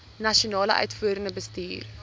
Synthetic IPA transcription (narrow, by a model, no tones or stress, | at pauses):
nɐʃionɑːlə̰ʔœ̰ɥtfuːəɾənəbəstiːr